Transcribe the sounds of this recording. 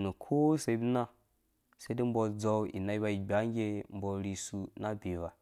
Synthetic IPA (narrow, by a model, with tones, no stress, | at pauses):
nu˨kʰo˦se˨i˦bi˦na˦ | sa˦di˦m̩˦bo˧d͡za˨wḭ˨na˨i˦ba˨i˨ɡ͡bʲa˦ŋ˦ɡʲe˦m̩˦bɔ˧ɾi˨su˨na˦bʲi˨va˨